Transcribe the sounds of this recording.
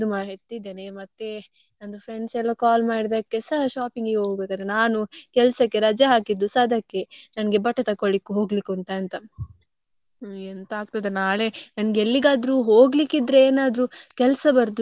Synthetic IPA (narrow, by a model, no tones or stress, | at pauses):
d̪umaːɦeɽt̪id̪eːnemɐt̪ːe̞ | ɐnd̪ufʰɾe̞ɳɖsɛlːɐkaːlmaːɽid̪ɐkːesɐɦɐʃaːpiŋɡeɡeɦoːɡbeːkaːd̪ɾenaːnukɛlsɐkːeɾɐd͡ʒjɐɦaːkid̪ːusaːd̪ɐkːe̞nɐnɡe̞bɐʈːɐt̪ɐkːoɭikːuɦo̞ːɡlikːuɳʈɐɐnt̪ɐ | ent̪aːɡ̚t̪ɐd̪enaːɭe̞nɐnɐɡeelːiɡaːd̪ɾuɦoːɡlikːid̪ɾeeːnaːd̪ɾukɛlsɐbɐɾd̪